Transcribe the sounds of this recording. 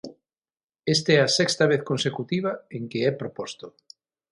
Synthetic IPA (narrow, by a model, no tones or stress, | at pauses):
est̪ɛɐsɛkst̪aβeθkonsekut̪iβ̞ɐeŋkeɛpɾopɔst̪o